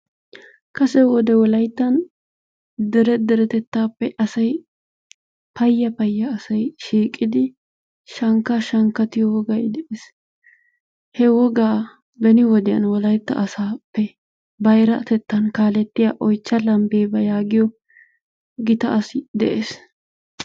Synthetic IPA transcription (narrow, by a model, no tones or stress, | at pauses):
kɐsɛwɔd̪ɛwɔlɐjt̪ːɐn | d̪ɛɾɛd̪ɛɾɛt̪ɛt̪ːaːpːɛʔɐsɐj | pɐjːɐpɐjːɐːsɐjʃiːkʼɪd̪ɪ | ʃɐŋkːaʃɐŋkːɐt̪ɪjɔwɔɡɐjd̪ɛʔeːs | hɛwɔɡaː | bɛnɪwɔd̪ɛjɐ̰nwɔlɐjt̪ːɐ̰ʔɐsaːpːɛ | bɐjɾɐt̪ɛt̪ːɐnkaːlɛt̪ːɪjaʔɔjt͡ʃːɐlɐmbeːbɐjaːɡɪjɔ | ɡɪt̪ɐʔɐsɪd̪ɛʔeːs